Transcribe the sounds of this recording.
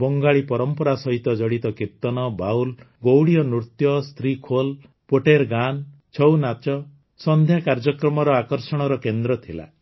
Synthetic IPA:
bɔŋɡaɭipɔɾɔmpɔɾasɔɦit̪ɔd͡ʒɔɽit̪ɔkiɾt̪ɔnɔbawl | ɡowɽiɔnɾut̪jɔst̪ʰɾikʰol | poʈeɾɡan | t͡ʃʰɔwnat͡ʃɔ | sɔnd̪ʱjakaɾd͡ʒɔkɾɔmɔɾɔakɔɾsɔɽ̃ɔɾɔkend̪ɾɔt̪ʰila̰

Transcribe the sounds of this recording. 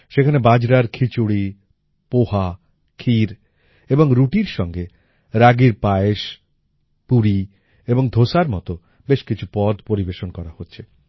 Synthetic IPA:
ʃekʰanebad͡ʑɾaɾkʰit͡ɕuɽi | poha | kʰiɾ | eboŋɾuʈiɾʃɔŋɡe | ɾaɡiɾpaeʃ | puɾi | eboŋd̪ʱoʃaɾmɔ̰t̪o | beʃkit͡ɕʰupɔd̪poɾibeʃonkɔɾahotːɕʰe

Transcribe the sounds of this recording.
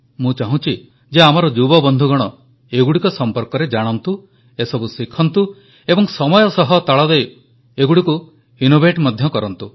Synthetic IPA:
mũt͡ʃaɦũt͡ʃʰi | d͡ʒeamɔɾɔd͡ʒubɔbɔnd̪ʱuɡɔɽ̃ɔ | eɡuɽikɔsɔmpɔɾkɔɾed͡ʒaɽ̃ɔnt̪u | esɔbusikʰːɔnt̪u | ebɔŋsɔmɔjɔsɔɦɔt̪ɔɭɔd̪ej | eɡuɽiku | inobeʈmɔd̪ʱjɔkɔɾɔnt̪u

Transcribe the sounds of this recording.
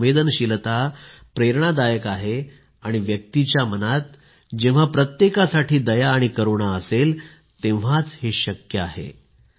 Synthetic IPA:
ʋed̪ənɕilt̪a | pɾeɾɳ̃ad̪ajəkaɦe | aɽ̃iʋjək̚t̪it͡ɕjamənat̪̚ | d͡ʑẽʋ̃ʋ̤apɾət̪jekasaʈʰiːd̪əjaːɽ̃ikəɾuɳ̃aəsel | t̪ẽʋ̤at͡sheɕəkjəaɦḛ

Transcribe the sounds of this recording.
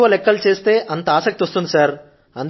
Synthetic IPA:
ʋɐlɛkːɐlut͡ʃe̞ːst̪e̞ːʔɐnt̪ɐaːsɐk̚t̪iʋost̪und̪isaːɾ | ɐ̰nd̪

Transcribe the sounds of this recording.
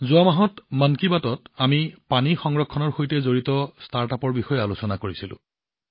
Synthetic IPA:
zʊamaɦɔtmankibatɔtamipanixɔŋɹɔkʰːɔnɔɹxojtɛzoɹitɔstaɹtapɔɹbixɔjɛalusɔnakoɹisilʊ̰̃

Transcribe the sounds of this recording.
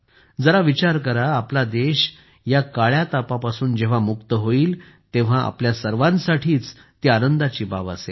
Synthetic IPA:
d͡zəɾaʋit͡ɕaɾkəɾaːplad̪eɕ | jakaɭjat̪apapasuːnd͡ʑeʋ̤amukt̪əɦoiːl | t̪ẽʋ̤aʔa̰pljasəɾʋãnsaʈʰiːt͡s | t̪ianənd̪at͡ɕiːba̰ʋa̰sḛ

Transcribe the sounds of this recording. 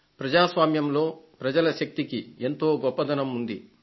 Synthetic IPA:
pɾɐd͡ʒaːsʋaːmjɐmlo̞ːpɾɐd͡ʒɐlɐʃɐk̚t̪ikie̞nt̪o̞ːɡɔpːɐd̪ɐnɐmund̪i

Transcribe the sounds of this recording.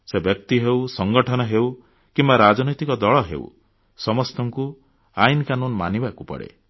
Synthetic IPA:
sebjɔk̚t̪iɦewsɔŋɡɔʈʰɔnɔɦew | kimbaɾad͡ʒɔnɔjt̪ikɔd̪ɔɭɔɦḛw̰ | sɔmɔst̪ɔŋku | ajnɔkanunma̰nibakupɔ̰ɽḛ

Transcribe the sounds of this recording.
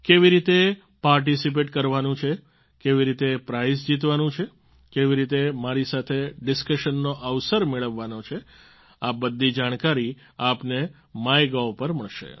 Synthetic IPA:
keʋiɾit̪e | paɾʈisip̬eʈkəɾʋanũt͡ʃʰe | keʋiɾit̪epɾaizd͡ʒit̪ʋanũt͡ʃʰe | keʋiɾit̪emaɾisat̪ʰeɖɪskəʃənːoʔəʋsəɾmeɭəʋːanot͡ʃʰe | abəd̪ʱːid͡ʒaɽ̃kaɾi | apne | majɡaʋpəɾməɭʃḛ

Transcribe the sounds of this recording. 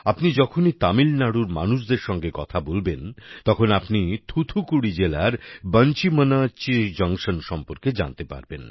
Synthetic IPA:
apnid͡ʑɔkʰonit̪amilnaɽuɾma̰nuʃd̪eɾʃɔŋɡekɔt̪ʰabolbent̪ɔkʰonapnit̪ʰut̪ʰukuɽid͡ʑelaɾbənt͡ɕimənat͡ɕid͡ʑaŋʃonʃɔmpoɾked͡ʑa̰nt̪epa̰ɾben

